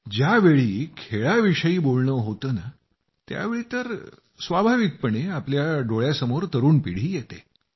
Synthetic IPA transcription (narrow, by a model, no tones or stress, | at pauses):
d͡ʑjaʋeɭiːkʰeɭaʋiʂəiːbolɳəɦot̪əːna | t̪ja̰ʋeɭiːt̪əɾ | sʋabʱaʋik̚pəɳeapljaɖoɭjasəmoɾt̪əɾuːnpiɽ̤iːjet̪e